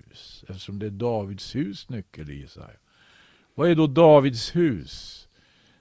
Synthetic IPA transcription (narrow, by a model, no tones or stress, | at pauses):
ʉːsɛft̪əʂɔmd̪ɛæɖɑːvɪd̪shʉːsnʏkːəlɪ̰sæ̰ɪ | vɑæɖɔd̪ɑːvɪd̪shʉ̟ːs